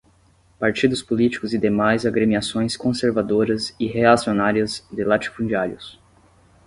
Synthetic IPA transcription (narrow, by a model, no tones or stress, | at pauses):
paɾt͡ʃid̪ʊspolit͡ʃi̥kʊzɪd̪emajzaɡɾemiasõj̃skõseɾvad̪oɾɐzɪɦeasionaɾiɐzd̪ɪlat͡ʃi̥fũd͡ʒiaɾjʊs